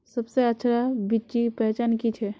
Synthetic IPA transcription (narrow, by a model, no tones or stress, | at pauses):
sɐbseətːʃʰɾabitːd͡ʒipɛɦt͡ʃaːnkit͡ʃʰɛ